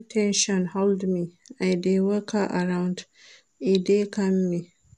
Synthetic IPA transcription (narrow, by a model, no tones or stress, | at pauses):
tʰɛ̃nʃɔ̃nhɔldmiajdewɐkaʔaɾaw̃nd | ʔidekɐmːi